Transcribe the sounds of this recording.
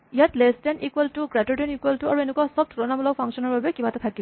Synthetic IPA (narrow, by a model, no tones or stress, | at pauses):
ijatlestɛnʔikwɛltuɡɹatuɹdenikweltuaɹuenɛkwasɔb̚tʰɹɔnamɔlɔk̚pʰaŋsɔnɔɹbabɛkibatɛtʰakib